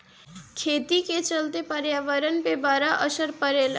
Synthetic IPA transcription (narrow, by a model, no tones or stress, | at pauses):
kʰet̪iket͡ʃəlt̪epəɾjaʋəɾənpebaɾaʔəsəɾpəɾel